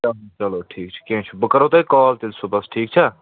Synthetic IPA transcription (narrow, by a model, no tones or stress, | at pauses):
t͡ʃɐlot͡ʃɐloːʈʰiːkt͡ʃʰɐ̥kãt͡ʃʰubəkəɾoːt̪ɐikɔːlt̪ɪlsoːbɐsʈʰiːk̚t͡ʃʰɐ